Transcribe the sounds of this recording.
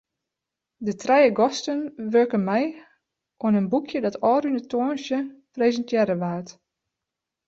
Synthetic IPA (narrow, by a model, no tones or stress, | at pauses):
dətrɛjəɡɔstənʋøɹkənmɛj | ʔwɔənənbukʰjədɔtɔːɾynətʰoːnsjəprezəntjɛɾəʋaːt